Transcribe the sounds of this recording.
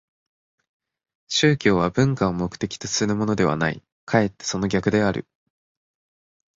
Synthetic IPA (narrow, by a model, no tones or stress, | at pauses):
ɕɨːkʲo̞ːβabɯ̟̃ŋkaomo̞kɯ̟̥t̪e̞kʲi̥t̪osi̥ɨnɯmo̞no̞d̪e̞βa̰naḭ | kʰae̞t̪ːe̞̥so̞no̞ɡʲakɯ̟d̪e̞aɾɯ̟̰